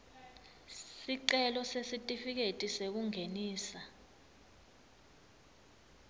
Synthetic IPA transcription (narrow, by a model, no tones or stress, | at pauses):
siǀɛlɔsesitʼifik̬etʼisek̬uŋʱeniːsa